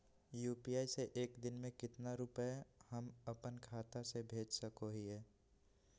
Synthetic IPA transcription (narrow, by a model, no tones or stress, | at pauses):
juːpijaːiseʔeːkd̪ɪnmẽkɪt̪naɾʊpəehəməpənkʰaːt̪asebʱeːd͡ʒsəkoɦiɦɛː